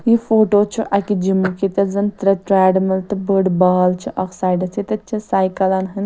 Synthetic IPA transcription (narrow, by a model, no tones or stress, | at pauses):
jifoːʈot͡ʃʰiʔɐkid͡ʒimukit̪ɐzɐnt̪ɾɐʈɾɛːɖmɐlt̪ɨbəɖbɐːɐlt͡ʃʰiʔɐksaːjɖɐt͡sʰit̪ɐt͡ʃʰisaːjkɐlɐnɦɐn